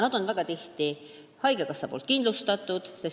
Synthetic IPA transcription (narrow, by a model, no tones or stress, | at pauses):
nɑd̪̥o̞nvæɡ̥ɑt̪iht̪i | hɑjɡekɑsːɑpoːlt̪kind̪lust̪ɑt̪ˑːud̪̥ses